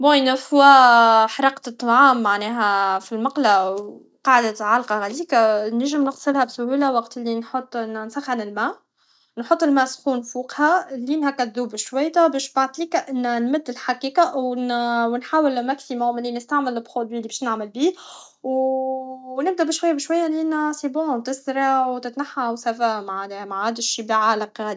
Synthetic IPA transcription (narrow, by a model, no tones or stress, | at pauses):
bojnæfʊwæħɾˤɑq̪t̪ˤːɑʕaːmːaʕnɛːɦæfilmɑqlaw | qɑːʕd̪aʕalqɑhæliːkanæʒɪmnɪxsˤɨlhæbsʊhulawɑqt̪ɪlːinħot̪ˤːnnsaxanɪlmæː | nħot̪ˤːɪlmæːsxuːnfuːqhælːiːnhækːæd̪uːbʃwæjt̪abæːʃbaʕt̪ˤiːkaʔɪnːænmʊd̪ːɪlħaqiːkaʔwwnħaːwɪlmæksimʊmɪlːinɪst̪aʕmɪlɪlpɾod̪wiːlibɛːʃnaʕmɪlbiː | w | nɪb̚d̪æʔbɪʃwajːabɪʃwajːalinasibut̪ɪsɾɑwt̪ɪt̪naħːawsæfamaʕmaʕhad̪ɪʃiːbiʕaːlɑqhæd̪i